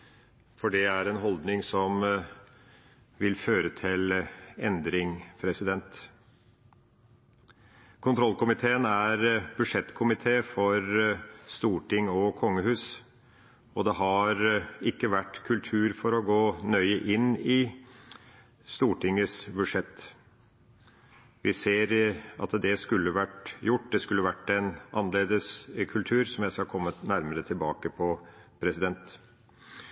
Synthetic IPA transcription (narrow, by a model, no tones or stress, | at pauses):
fɔɖɛæɾɛnɦɔld̪nɪŋsɔm | ʋɪlføːɾət̪ʰɪlɛnd̪ɾɪŋpʰɾɛsɪd̪ɛnt̪ | kʰʊnt̪ʰɾɔlkʊmɪt̪ʰeːənæɾb̥ʉʂɛt̪ːkʰʊmɪt̪ʰeːfɔɾst̪uːʈɪŋɔkʰɔŋːəhʉːs | ɔd̪ɛɦɑɾɪkːəʋæʈːkʰʉlt̪ʰʉːɾfɔɾɔɡoːnœʏəʔɪnːɪ | st̪uːʈɪŋəsbʉʂɛt̪ː | ʋɪseːɾʔɑ̰t̪d̪ɛskʉlːəʋæʈjʊʈ̚ːd̪ɛskʉlːəʋæʈːɛnʔɑnːəleːd̪əskʰʉlt̪ʰʉːɾsɔmjæɪskɑkʰɔmːənæɾməɾət̪ʰɪlbɑːkəpʰɔpʰɾɛsɪd̪ɛnt̪